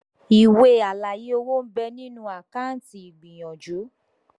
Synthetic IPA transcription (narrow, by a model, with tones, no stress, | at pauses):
i˨we˧a˨la˨je˦o˦wo˦m̩˦bɛ˧nĩ˦nũ˦a˨kã˦˨n̩˦ti˧i˨ɡ͡bĩ˨j̃ɔ̃˨d͡ʒu˨˦